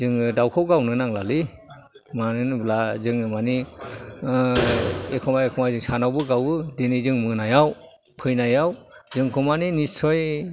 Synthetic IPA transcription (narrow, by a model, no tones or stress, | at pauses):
zɯŋɯdawkʰɯwɡawnɯnaŋlali | manɯnblazɯŋɯmani | ekʰɔmajekʰɔmajzɯŋsanawbɯɡawɯdinizɯŋmɯnajaw | pʰɯjnajaw | zɯŋkʰɔmaninisɔj